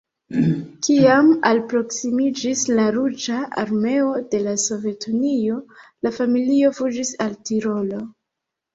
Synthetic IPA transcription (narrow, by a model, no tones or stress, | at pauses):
kiama̰lpɾo̞ksimid͡ʒislaɾud͡ʒaa̰ɾme̞o̞de̞laso̞ve̞tunio̞lafamilio̞fud͡ʒisaltiɾo̞lo̞